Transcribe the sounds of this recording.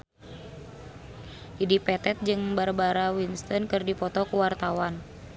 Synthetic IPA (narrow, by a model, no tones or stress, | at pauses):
idipɛt̪ɛt̪̚d͡ʒɨŋbarbaɾawinst̪ɔnkɨrdipɔt̪ɔkuwart̪awan